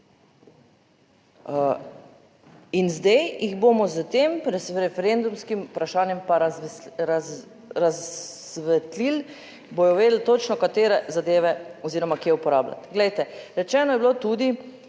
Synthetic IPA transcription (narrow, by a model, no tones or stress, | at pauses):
inzd̪ɛjjiɣboːmɔzət̪emɾɛɾɛfɛɾend̪umskimupɾaʃaːnjɛmpaɾɾaz | ɾazʋɛt̪lil | bojɔʋeːd̪l̩t̪ot͡ʃnɔkat̪eːɾɛzad̪eːʋɛɔziːɾɔmakiɛupɔɾaːbla̰t̪ɡlɛjt̪ɛɾɛt͡ʃɛːnɔjɛblot̪ud̪i